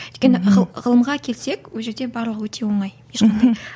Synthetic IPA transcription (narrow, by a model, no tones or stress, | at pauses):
ʏjt̪̚ʲe̞nɪʁʁəlˠəmʁɑkʲʰe̞lse̞kwɵlˠʒe̞ɾd̪e̞bɑɾlˠəqwɵt̪ʰe̞wo̞ɴɑjjeʃqɑnd̪ɑ